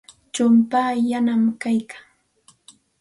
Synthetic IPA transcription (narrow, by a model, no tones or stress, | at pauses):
t͡ʃʊmpaːjanamkajkḁŋ